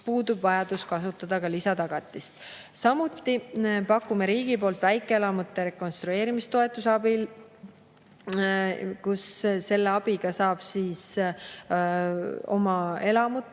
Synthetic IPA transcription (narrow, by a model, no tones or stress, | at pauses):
puːd̪ubvɑjɑd̪̥uskɑsut̪ːˑɑd̪̥ɑkɑlisɑt̪ɑɡ̥ɑt̪ːˑist̪ | sɑmut̪ːˑipɑkːˑume̞ɾiːɡ̥ipo̞ːlt̪ˑvæjkːˑeelɑmut̪ːˑe̞ɾe̞ko̞nst̪ɾue̞ːɾimist̪o̞e̞t̪ːˑusɑbil | kusːe̞lːeɑb̥iɡ̥ɑsɑːb̥siːs | o̞mɑe̞lɑmut̪ːˑ